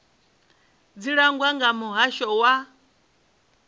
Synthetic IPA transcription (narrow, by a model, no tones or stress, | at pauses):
d͡ziɺaŋɡwaŋɡamuɦaʃɔwa